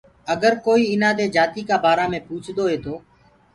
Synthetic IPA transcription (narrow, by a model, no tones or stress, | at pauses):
əɡəɾkoːiːɪnãːd̪eːd͡ʒaːt̪iːkaːbaːɾaːmẽːpuːt͡ʃʰd̪oːɦeːt̪ʰoː